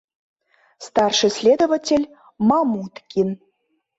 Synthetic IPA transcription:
st̪ɑrʂɨ̆sʲlʲed̪ovatʲelʲ | mɑmut̪kʲin

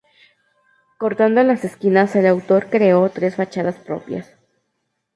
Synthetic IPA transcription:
ko̞ɾt̪and̪olase̞skinaselawt̪o̞ɾkɾe̞o̞t̪ɾe̞sfat͡ʃaðaspɾo̞̰pja̰s

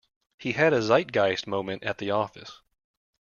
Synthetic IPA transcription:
hiɨɾɨzaɪt̚ɡ̥aɪzmõʊ̃mɨ̃ntɨ̰t̪̚ðiɔfɨ̰s

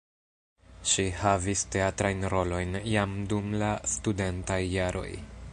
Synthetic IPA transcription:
ʃihaviste̞atɾajnɾo̞lo̞jnjamdumlastude̞ntajːaɾo̞̰j

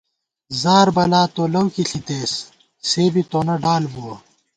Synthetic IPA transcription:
zaːɾbɐlaːt̪oːlɐwkiɬit̪eːs | seːbit̪oːnɐɖaːlbuwɐ

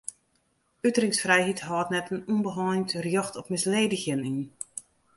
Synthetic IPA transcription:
ytərɪŋsfrɛjɦitɦɔːtnɛtənunbəɦɔːjntrjɔxtɔpmɪsleːdəxjənin

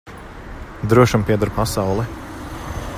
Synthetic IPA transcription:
d̪ɾuɔʃampiɛd̪aɾpasawlˠɛ

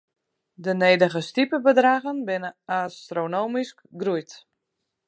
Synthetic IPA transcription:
dəneːdəɣəstipəbədraːɣənbɪnəastronoːmiskɡrujt

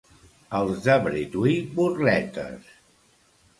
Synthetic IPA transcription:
əlˠzd̪əβɾit̪wiburlɛt̪ə̰s

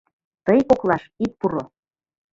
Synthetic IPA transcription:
t̪əjkoklɑʃit̪̚puɾo

